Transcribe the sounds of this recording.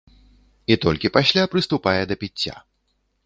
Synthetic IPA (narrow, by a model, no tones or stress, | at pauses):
it̪ɔlʲkʲipasʲlʲapɾɨst̪upajɛd̪ɐpʲit͡st͡sʲːa̰